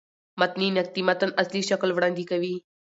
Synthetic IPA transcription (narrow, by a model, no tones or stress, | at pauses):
mɐt̪niːnɐk̚t̪iːmɐt̪ənɐsliːʃɐkəlʋɽɐ̃nd̪iːkɐʋiː